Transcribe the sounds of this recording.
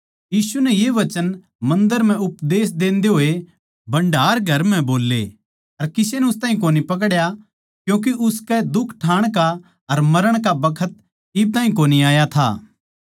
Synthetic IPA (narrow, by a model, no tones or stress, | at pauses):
jiːsunɛjeʋɐt͡ʃən | mɐ̃nd̪əɾm̤ɛ̃ʊpd̪eːs̬d̪ẽːnd̪eɦoːe | bɐ̃ɳɖaːɾɡʱɐɾm̤ɛ̃boːlːḛ | ɐɾkɪsenɛʊst̪aːɦĩk̬oːnipɐk̬ɽja | kjõːk̬iʔʊskɛd̪ʊkʰʈʰaːɽ̃ka | ɐɾmɐɾəɽ̃kabɐkʰət̪̚ | ɪb̚t̪aːɦĩk̬oːniaːjat̪ʰa̰ː